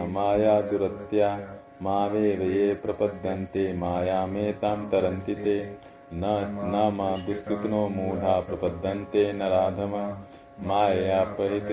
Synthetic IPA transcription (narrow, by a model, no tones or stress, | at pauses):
maːjaːd̪uɾɐt̪jaː | maːʋeːʋɐjeːpɾɐpɐd̪ʱːɐnt̪eːmaːjaːmeːt̪aːmt̪ɐɾɐnt̪it̪eː | nɐnaːmɐd̪uskɾit̪ɐnoːmuːlʱaːpɾɐpɐd̪ʱːɐnt̪eːnɐɾaːd̪ʱɐmɐ | maːjɐjaːpɐɦit̪